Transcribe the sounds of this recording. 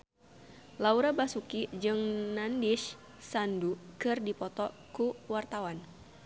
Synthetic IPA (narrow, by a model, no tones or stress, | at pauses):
lauɾabasukid͡ʒɨŋnandiʃ | sandukɨrdipɔt̪ɔ | kuwart̪awan